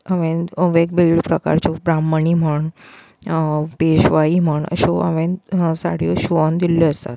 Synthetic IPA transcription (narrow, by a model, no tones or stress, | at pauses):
əʋẽəʋek̚biɭɖpɾəka̰ɾt͡ɕobɾamːəɳim̤əɳ | peɕʋaim̤əɳə̰ɕoə̰ʋẽsa̰ɽ̤ijoɕuʋand̪ilːoəst̪a̰t̪